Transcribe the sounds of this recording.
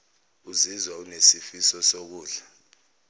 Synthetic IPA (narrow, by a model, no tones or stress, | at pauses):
uzizwaunesifisɔsok̬uːɮa